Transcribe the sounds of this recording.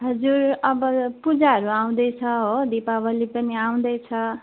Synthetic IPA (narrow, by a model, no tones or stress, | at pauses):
ɦʌd͡zuɾʌbʌpud͡zaɦʌɾuaw̃d̪ʌjt͡sʰʌɦod̪ipabʌlipʌniaw̃d̪ʌjt͡sʰʌ